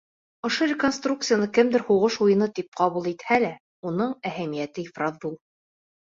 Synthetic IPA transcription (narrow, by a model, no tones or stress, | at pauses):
ŏʃɤɾʲɪkonst̪ruk̚t̪sɨjanɤkɘmd̪ɘɾhuʁɤʃujɤ̆nɤt̪ip̚qɑβulˠit̪hælæ | unɤɴæhæmijæt̪ɘifrɑzbulˠ